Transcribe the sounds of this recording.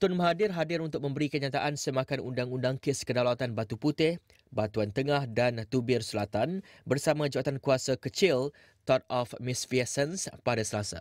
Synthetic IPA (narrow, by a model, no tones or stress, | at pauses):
t̪ʊnmaɦadɪrɦadɪɾunt̪ʊk̚mə̃mbəɾikəɲat̪aʔansəmakanʔundaŋundaŋkɪskədalawat̪anbat̪uput̪ɪh | bat̪uant̪əŋahdant̪ubɪrsəlat̪anbərsamãd͡ʒaat̪ankuasakət͡ʃɪl | t̪ɔt̪̚ɔfmɪsfiasənspadasəlasa̰